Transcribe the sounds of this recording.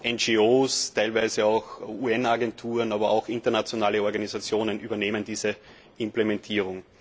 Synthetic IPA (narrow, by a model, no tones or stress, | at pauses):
ʔɛnd͡ʒioːstʰæɪlvæɪzəaʊxuːɛnaɡɛntʰuːʁənaːbɐʔa̰ʊxɪntɐnat͡sjonaːləɔɐɡaniz̥at͡sjoːnənyːbɐneːməndiːzə | ɪmplemɛ̃ntʰiːʁʊŋ